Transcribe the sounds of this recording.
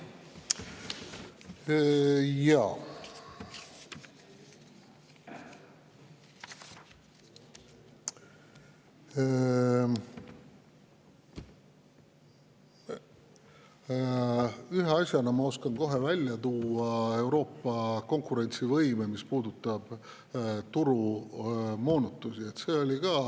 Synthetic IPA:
jɑː | yɦeɑsʲjɑnɑmɑo̞skɑnko̞ɦe̞vælʲjɑt̪uːɑe̞wɾo̞ːpːˑɑko̞ŋkuɾe̞nʲt̪sivɤjmemispuːd̪ut̪ːˑɑb̥ | t̪uɾu | mo̞ːnut̪ːˑusie̞t̪se̞ːo̞lʲikɑː

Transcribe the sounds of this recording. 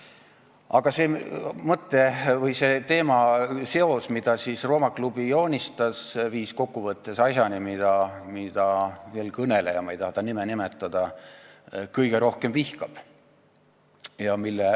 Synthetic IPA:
ʔɑɡ̥ɑsemɤt̪ːˑe̞vɤjse̞t̪e̞ːmɑse̞o̞smid̪̥ɑsisro̞ːmɑklub̥ijo̞ːnʲist̪ɑsviːsko̞kːuvɤt̪ːˑe̞sɑsjɑnimid̪̥ɑmid̪̥ɑelkɤnelejɑmɑejt̪ɑhɑt̪ɑnimenimet̪ːˑɑd̪̥ɑ | kɤjɡ̥e̞ɾo̞hke̞mvihkɑb̥ | jɑmilːe

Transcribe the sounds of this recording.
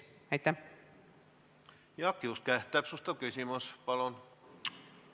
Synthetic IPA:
æjt̪ːæ | jɑkːiuskæht̪ːˑæˑpsust̪ɑkysʲimospɑlon

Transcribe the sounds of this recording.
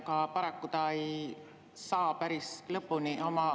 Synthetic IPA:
kɑpɑɾɑkːut̪ɑej | sɑːpæɾislɤpːunio̞mɑ

